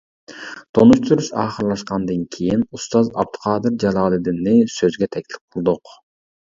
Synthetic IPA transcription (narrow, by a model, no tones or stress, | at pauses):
t̪ʰonuʃt̪ʰyɾyʃɑ̰ːχəɾlˠɑʃqɑnd̪ɑŋkʲʰijinust̪ɑzɑ̰b̚d̪u̥qʰɑːd̪ɨɾd͡ʒɑlˠɑːlˠid̪inːisøzɡʲet̪ʰɛkʲlɪ̥p̚qʰʊlˠd̪uq